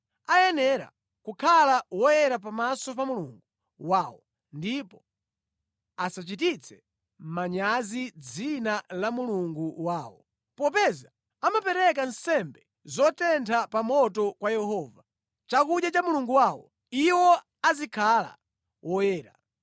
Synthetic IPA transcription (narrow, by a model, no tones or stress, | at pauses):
ajɛnɛɾa̰ | kukʰalawɔjɛɾapamasɔpamulṵŋɡu | waːwɔ | ndipɔ | asat͡ʃitit͡sʰɛ | m̩maɲazid͡zinalamuluŋɡuwaːwɔ | pɔpɛza | amapɛɾɛk̬ansɛmbɛ | zɔtɛntʰapamɔtɔkwajɛhɔːva | t͡ʃakuɗjat͡ʃamuluŋɡuwaːwɔ | iwɔ | azikʰala̰ | wʔɔjɛːɾa̰